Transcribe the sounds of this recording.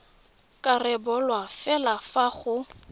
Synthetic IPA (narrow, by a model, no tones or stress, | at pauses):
kʼarɛbɔlwafɛlafaχʊ